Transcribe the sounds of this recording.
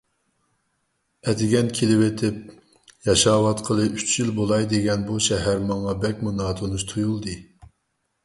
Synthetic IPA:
ɛt̪ɪɡʲɛnkʲʰelɪwet̪ʰɪp̚ | jɑʃɑːwɑt̪qʰəlˠɨyt͡ʃjilbolˠɑjd̪eɡʲɛnbuʃɛɦæɾmɑŋɑbɛkʲmunɑːt̪ʰonuʃt̪ʰujulˠd̪ɨ

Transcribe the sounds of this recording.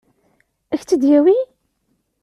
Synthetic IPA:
æçt͡sːəd̪jæwi

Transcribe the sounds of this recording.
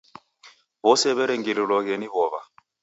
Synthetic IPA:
βɔsɛβɛɾɛŋɡililwɔɣɛniβɔβa

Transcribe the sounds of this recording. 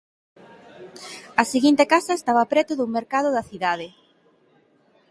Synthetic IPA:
ɐseɣint̪ekasɐest̪aβɐpɾɛt̪ʊðuŋmeɾkaðʊðɐθiðað̞e

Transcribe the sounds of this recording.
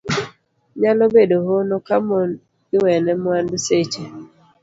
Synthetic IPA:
ɲalɔbedoɦonɔkamɔn | ɡɪwɛnɛmwanbset͡ʃe

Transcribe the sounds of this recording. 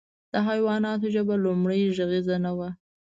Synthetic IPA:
d̪̥əɦajwɑnɑt̪oʒəbalumɽəjʒaɣizanawa

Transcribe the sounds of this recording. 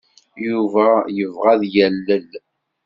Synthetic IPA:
juvæjəvʁæðjælːəl

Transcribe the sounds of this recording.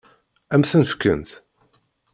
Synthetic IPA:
æmθənfkːə̰nt̪

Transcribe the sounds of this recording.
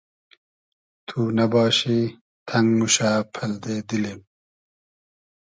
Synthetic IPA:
t̪ʰuːnɐbɑːɕi | t̪ʰɐŋɡmuɕaːpʰɐld̪eːd̪ilem

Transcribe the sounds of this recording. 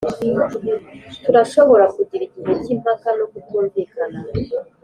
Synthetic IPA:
tuɾaʃo̞βo̞ɾakuɟiɾiɟizecimakano̞kutuːɱvikana

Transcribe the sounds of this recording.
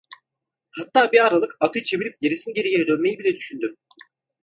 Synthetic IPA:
hat̪ːaːbiaɾalˠɯkakɯt͡ʃʰe̞vilʲip̚ɟeɾisinɟe̞ɾijed̪ønme̞jibilʲɛd̪yʃynd̪ym

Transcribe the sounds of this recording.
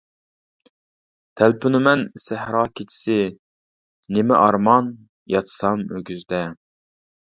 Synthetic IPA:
t̪ʰælpʰynɪmɛnsæhɾɑːkʲʰet͡ʃʰi̥sɪ | nemɪ̰ʔɑɾmɑn | jɑt̪ʰsɑmøɡʲyzd̪ɛ

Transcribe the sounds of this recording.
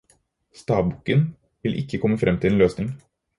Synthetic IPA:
st̪ɑːbʊkən | ʋɪlʔɪ̰kːəkʰɔmːəfɾʔɛmːt̪ʰɪleːnløːsnɪŋ

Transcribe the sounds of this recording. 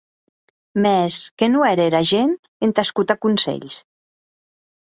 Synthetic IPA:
mɛskenuɛɾeɾaʒen | ent̪askut̪akunsḛʎs

